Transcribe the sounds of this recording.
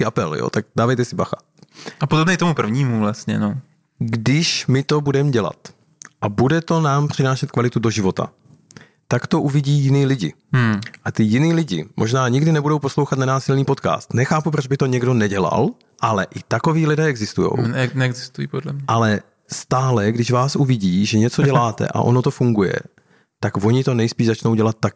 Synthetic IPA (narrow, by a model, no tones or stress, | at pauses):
ɪʔapɛljo̰t̪aɡ̚daːvajt̪ɛsɪbaxa | apodobnɛt̪omupr̩vɲiːmuvlasɲɛ̰no | ɡdɪʃmɪt̪o̞budɛmɟɛla̰t̪ | ʔabudɛt̪o̞naːmpr̝̥ɪnaːʃɛt̪kvalɪt̪udoʒɪvo̞t̪a̰ | t̪akt̪o̞ʔuvɪɟiːjɪniːlɪɟɪ̰ | ʔat̪ɪjɪniːlɪɟɪ̰mʔo̞ʒnaːɲɪɡdɪnɛbudowpo̞slowxat̪nanaːsɪlniːpo̞t̪ka̰ːst̪nɛxaːpupɾod͡ʒbɪt̪o̞ɲɛɡdo̞nɛɟɛla̰l | ʔalɛʔɪt̪ako̞viːlɪdɛːɛɡzɪst̪ujo̰wnɛɛɡzɪst̪ujḭːpodlɛmɲɛʔalɛ | st̪aːlɛɡdɪʒvaːsʔuvɪɟiːʒɛɲɛt͡so̞dɟɛlaːt̪ɛ̰ʔa̰ʔo̞no̞t̪o̞fuŋɡujɛ̰ | t̪aɡvo̞ɲɪt̪o̞nɛjspiːʒzat͡ʃnowɟɛlat̪̚ːak